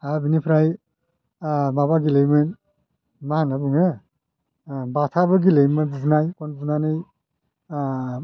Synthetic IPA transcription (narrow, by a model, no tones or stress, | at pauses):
abinipʰɾaj | mabaɡilɯjmɯn | mahanabɯŋɯ | batʰabɯɡilejmɯnbubnajkɔnbunanɯj